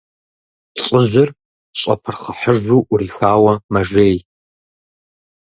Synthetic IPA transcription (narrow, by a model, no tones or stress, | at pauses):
ɬʼɪʑʷɐr | ɕʼɐ̰pʰɨrχɐħəʒʷuʔuriːxaːwɐmɐʒeːj